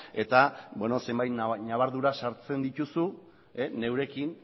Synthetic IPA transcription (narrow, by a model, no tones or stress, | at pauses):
e̞t̪abweno̞se̞mbajt̪naβaɾðuɾaʃaɾt͡se̞nd̪it̪usu | ene̞wɾe̞kin